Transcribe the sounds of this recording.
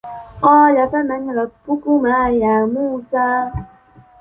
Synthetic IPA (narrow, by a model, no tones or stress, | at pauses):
qɑːlafamaɲɾɔt̚bukumajaːmuːsaː